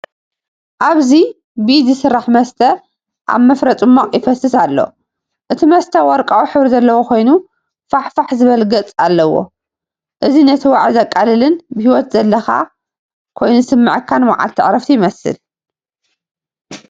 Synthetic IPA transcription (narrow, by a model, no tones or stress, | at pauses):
ʔaβzi | bɨzɨsɨrːaħmɐst̪ʰɐ | ʔa̰βmɐfɾɐt͡s̪ʼɨmːoχʼjɪfɐsɨsalːo̰ | ʔɨt̪ʰimɐst̪ʰɐwɔɾkʼawiħɨβɾizɐlːɐwokʰo̞jnu | faħfaħzɨβɐlɡɐt͡sʼalːɐwo̞̰ | ʔɨzinɐt̪ʰiwaʕzɐkʼːalɨlɨnbɨhiwɔt̪zɐlːɐxa̰ | kʰo̞jnusɨmːɨʕkʰːanwaʕa̰lt̪ʰɨʕɾɐft̪ʰijɪmɐsɨ̰l